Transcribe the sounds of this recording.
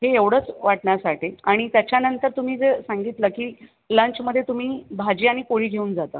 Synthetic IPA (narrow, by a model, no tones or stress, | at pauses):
ɦeeʋɽ̤əːt͡sʋaʈɳasaʈiaɽ̃it̪jat͡ɕjanənt̪əɾt̪um̤iːd͡zesaŋɡit̪ləkiː | lə̃ɲt͡ɕməd̪ʱːjet̪um̤iːbʱad͡ʑiːaɽ̃ikoɭ̤iːɡʱeuːnd͡zat̪ə̰ː